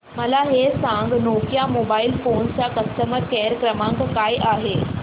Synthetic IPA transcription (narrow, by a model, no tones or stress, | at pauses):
məlaɦesãŋɡnokjamoːbailfont͡sakəst̪əməɾkeɾkɾəmãŋkkaːjʔaːɦe